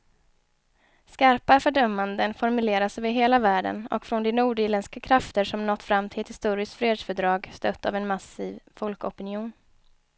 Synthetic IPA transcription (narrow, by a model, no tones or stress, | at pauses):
skaɾpafœɖœmːand̪ənfɔɾmɵleːɾasvɪɦeːlavæːɖə̰nɔ̰kfɾɔnd̪ɛnuːɖɪːɾlɛnskakʰɾaft̪əɾʂɔmnɔt̪ːfɾamːt̪ʰɪlɛt̪hɪ̥st̪uːɾɪst̪fɾeːd̪sfœɖɾɑːɡst̪œt̪ʰːa̰vɛnmasiːvfɔlkɔpɪnɪuːn